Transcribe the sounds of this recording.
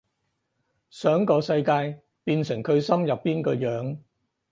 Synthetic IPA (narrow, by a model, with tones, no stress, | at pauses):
sœː˨˥ŋkɔː˧sɐ˧jkaː˧j | piː˧nsɪ˨˩ŋkʰɵ˨˧ɥsɐ˥mjɐ˨pːiː˥nkɔː˧jœː˨˥ŋ